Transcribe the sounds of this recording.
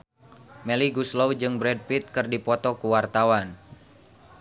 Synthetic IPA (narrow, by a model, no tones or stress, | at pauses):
mɛliɡuslowd͡ʒɨŋbɾɛd̚pit̪̚kɨrdipɔt̪ɔkuwart̪awan